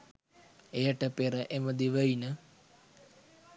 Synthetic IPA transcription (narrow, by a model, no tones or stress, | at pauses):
ejəʈəpeɾəʔeməd̪iʋəjnə